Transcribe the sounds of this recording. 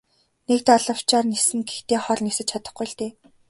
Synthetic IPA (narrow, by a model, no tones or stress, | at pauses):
nek̚t̪aɮə̆w̥t͡ɕaːrnesɘ̆ŋɡext̪eːχɔɮʲnisɘ̆t͡ɕʰat̪ə̆χɡujɮt̪eː